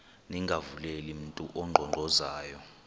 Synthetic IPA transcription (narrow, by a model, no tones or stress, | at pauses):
niŋɡʱavulelim̩ntʼuʔɔŋ͡ǃʱɔŋ͡ǃʱɔzaːjɔ